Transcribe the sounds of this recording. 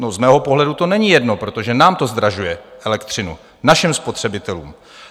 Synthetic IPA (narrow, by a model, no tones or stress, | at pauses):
nozmɛːɦo̞po̞ɦlɛdut̪o̞nɛɲijɛdno̞pɾo̞t̪o̞ʒɛnaːmt̪o̞zd̪ɾaʒujɛʔɛlɛkt̪r̥ɪnṵ | naʃɪmspo̞t̪r̝̥ɛbɪt̪ɛlṵːm